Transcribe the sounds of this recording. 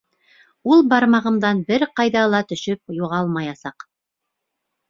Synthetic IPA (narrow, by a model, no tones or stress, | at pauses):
ulˠbɑɾmɑʁɤ̆md̪ɑnbɘɾqɑjðɑlˠɑt̪ɵ̆ʃɵp̚juʁɑlˠmɑjɑsɑq